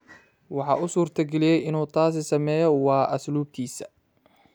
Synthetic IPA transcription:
wɑħɑ̰ːʔʊsuːrt̪ʰɐɡɛlɪjɛjɪnuːt̪ʰaːsɪsɐmɛːjɔwɑːʔɐsluːb̚k̪ʰiːsɐ̥

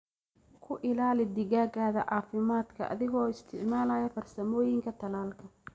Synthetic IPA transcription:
kʰʊʔɪlaːlɪd̪ɪɣaːɡaːðɐʔaːfɪmaːd̪kʰɐʔɐ̰ðɪɣɔːɪst̪ʰɪʕmaːlaːjɐfɐrsɐmɔːjɪŋkʰɐt̪ʰɐlaːlkʰɐ

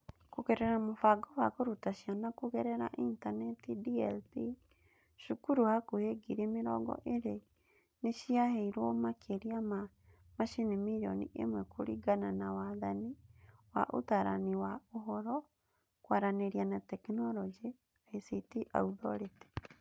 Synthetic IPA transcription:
koɣɛɾɛɾamofaɡɔwakoɾutaɕianakoɣɛɾɛɾa̰ʔintanɛtidiɛlpi | ʃukuɾuhakoheɡiɾemeɾɔɡɔ̰ʔeɾe | neɕiaheiɾwɔmakʰeɾiama | maʃinimijɔ̰nḭʔḛmwɛkʰoɾiɡananawaðaniwa̰ʔo̰taɾa̰niwaoɦɔɾɔ | kwaɾaneɾianatɛknɔlɔd͡ʒi | aesitiʔa̰uðɔ̰ɾete̥

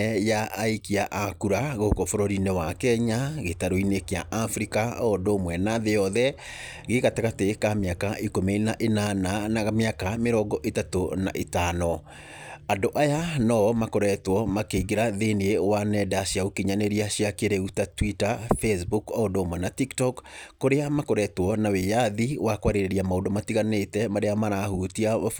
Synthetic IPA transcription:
jaʔaikiaʔakuɾaɣookɔfoɾoɾinewakɛɲaɣetaɾoinekea̰ʔafɾikaɔndomwɛnaðejɔðɛ | ɣeɣateɣatekameakaʔikomenaʔenananaɣameakameɾɔɡɔʔetatona̰ʔetanɔ | andoʔajanɔmakoɾɛtwɔmakeiɡeɾaðeniewanɛdaɕjaokiɲaneɾiaɕiakeɾeutatwitafesbukɔdomɔnatiktɔkːoɾeamakoɾɛtwɔnawejaðiwakwaɾeɾeɾiamaondomatiɣanetɛmaɾeamaɾahutiaβa

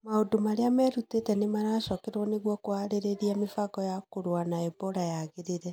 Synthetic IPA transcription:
maodomaɾeamɛɾutetɛnemaɾaʃɔkɛɾwɔneɣwɔkoaɾeɾeɾiamefaɡɔjakoɾwanaɛbɔɾajaɣeɾeɾɛ

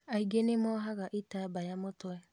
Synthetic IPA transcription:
aiɡenemɔɦaɣaʔitabajamotʊɛ

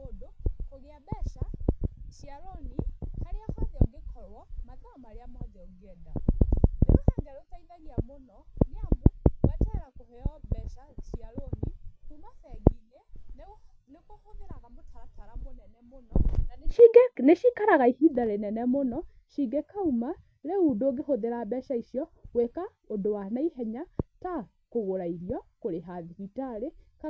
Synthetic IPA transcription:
odokoɣeaβɛʃaʃiaɾonihaɾeɔhaðɛɔ̰ɡekʰɔɾwɔmakaɔmaɾeamɔðɛɔɡeɛdanḛɾosaŋɡaɾotaiðaɣiamonɔneamowatɛɛɾakohɛjɔβɛʃaʃiaɾonikumaθɛɡine | nekohoðeɾaɣamotaɾataɾamonɛnɛmonɔ̰ʃiɡɛneʃikaɾaɣaihiðaɾenɛnɛmonɔ | ʃiɡɛkauma | ɾeudoːɡeɦoðeɾabɛʃaiʃjɔweka | odowanaiɦɛɲata | koɣoɾaiɾjɔkoɾeɦaðikitaɾeka

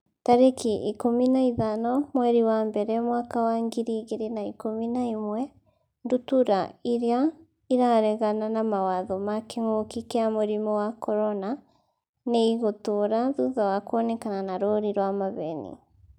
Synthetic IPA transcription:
taɾekʰiʔikominaiðanɔmwɛɾiwaːmbɛɾɛmwaːkawaŋɡiɾiɣeɾenaikominaimwɛ | ndutuɾaiɾea | iɾaɾɛɣananamawaðɔmakeŋokikeamoɾimɔwakɔɾɔna | neiɣotoɾaðuðawakwɔnɛkananaɾoɾiɾwamaβɛnḭ

